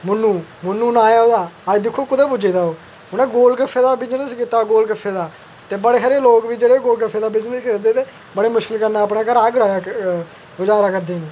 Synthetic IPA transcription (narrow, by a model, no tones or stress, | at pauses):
mʊnːũːmʊnːũːnaːjaːoːd̪aːəd͡ʒd̪ɪkʰːoːkʊd̪əːbʊd͡ʒeːd̪aːoː | ʊnɛ̃ːɡoːlkəfʰːeːd̪aːbɪd͡ʒnəskit̪ːaːɡoːlkəfʰːeːd̪aː | t̪eːbəɽeːɦəɾeːloːkʋiːd͡ʒeːɽeːɡoːlkəpʰːeːd̪aːbɪznəskeɾd̪eːt̪eː | bəɽeːmʊʃkɪlkəɾnaːəpnaːkəɾaːɡɾaːjaː | ɡʊd͡ʒaːɾaːkəɾd̪eːneː